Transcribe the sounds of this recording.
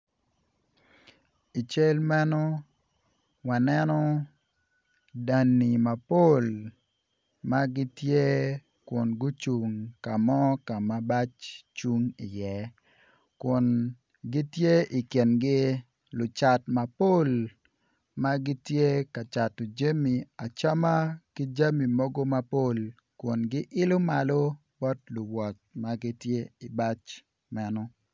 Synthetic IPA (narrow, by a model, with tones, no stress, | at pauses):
i˨t͡ʃe˦lmɛ˦nɔ˦ | wa˨nɛ˦nɔ˦ | da˨nːi˨ma˨po˦˨l | ma˦ɡɪ˦tje˦ | kʊ˨nɡʊ˦t͡ʃu˨ŋka˨mɔ˦ka˨ma˨ba˦t͡ʃt͡ʃu˦ŋi˨jɛ˦ | kʊ˨n | ɡɪ˦tje˦ɪ˨kjɛ˨nɡɪ˦ | lʊ˨t͡ʃa˨tma˨po˦l | ma˦ɡɪ˦tje˦ka˨t͡ʃa˨to˨d͡ʒe˦mi˨a˨t͡ʃa˦ma˦kɪ˦d͡ʒa˦mi˨mɔ˦ɡo˦ma˦po˦˨l | kʊ˨nɡɪ˦ʔɪ˦lʊ˦ma˨lo˦ | bɔ˦tlʊ˨wɔ˨t͡ʃma˦ɡɪ˦tje˦i˨ba˦t͡ʃ | mɛ˦nɔ˦